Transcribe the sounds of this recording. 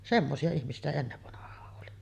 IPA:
semːosiɑ ihmisiæ sitæ enːeʋːɑnɑhˑɑːʔ ʔoli

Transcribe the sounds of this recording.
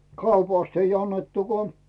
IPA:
kɑupɑˑst ei ɑnːetːu ko

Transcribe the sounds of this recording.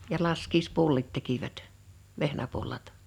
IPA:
jɑ lɑskiːspulːit tekiʋæt ʋehnæpulːɑt

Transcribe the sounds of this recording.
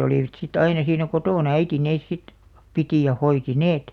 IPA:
oliˑʋɑ̆t sit ɑinɑ siːnæ kotoˑnɑ æiti neːs sit pitiˑ jɑ hoiti neːt

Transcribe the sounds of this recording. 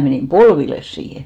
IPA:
meniˑm polʋilːes siːhe

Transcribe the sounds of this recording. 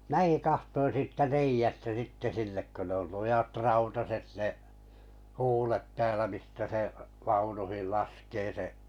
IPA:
mĭnæ̆ki kɑhtoin siːtːæ reijæstæ sitːe sinːek kø ne ol lujɑt rɑutɑset neʔ huːlet tæːlæ mistæ seʔ ʋɑunuhil lɑskeː seʔ

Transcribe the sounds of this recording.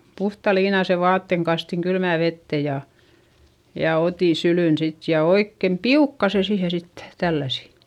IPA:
puhtɑ liːnɑse ʋɑːtːeŋ kɑstiŋ kylmæˑ ʋetːe jɑ jɑ otiˑ sylyˑn sit jɑ oikːem piukːɑ se siːhe sitːe̥ tælːæsi

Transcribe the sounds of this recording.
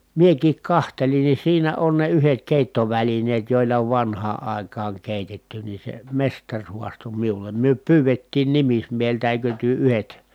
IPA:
miekiːk kɑhtelin ni siːnæ on ne yhet keˑitːoʋælineːt joˑilːɑ oʋ ʋɑnhɑː ɑˑi̯kɑːŋ keˑitetːy ni se mestɑrʲ huɑsto miulem myø pyːʋetːiːn nimismieheltæ eˑikø tyø yhet

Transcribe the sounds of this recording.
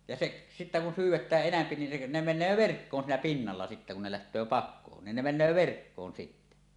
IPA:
jɑ seʔ sitːæ kun syːwˑetæːʔ ʔenæmpi nin se ne menˑøː ʋerkːoːn siːnæ pinːɑlːɑ sitːæ kun ne læhtˑøː pɑkːoːn nin ne menˑøː ʋerkːoːn sitːæ

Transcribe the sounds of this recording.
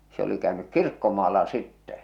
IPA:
se oli kæønyk kirkːomɑːlːɑ sitːɛ

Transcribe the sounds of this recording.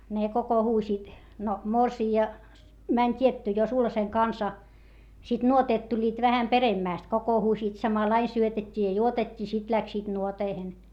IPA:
ne kokohuːsiːt no morsiːɑ mænʲ tʲietːy jo sulhɑseŋ kɑnsɑ sit nuoteːt tulʲːiːt ʋæhæm peremːæˑst kokohuːsiːt sɑmɑlɑin̆ syøtetʲːi jɑ juotetʲːiː sit læksiːt nuoteihen

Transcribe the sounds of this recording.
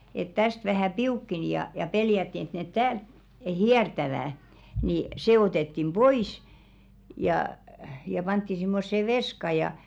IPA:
et tæst ʋæhæˑ piukːeni jɑ jɑ peljætːi et net tæːlt hiɛrtæʋæˑ ni seː otetːim b̥oiˑs jɑˑ jɑ pɑntːi simːosːe ʋeskɑ jɑ

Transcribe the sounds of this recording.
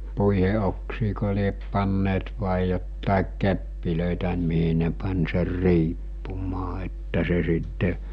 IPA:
puihe oksiːko liep pɑnːeːt ʋɑˑi jotːɑˑik kepːiløˑitæ miɦi ne pɑnʲ ser riːpːumɑː etːæ se sitːe

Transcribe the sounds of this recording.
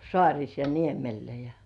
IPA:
sŏɑˑrʲis jɑ niemelːæ jɑ

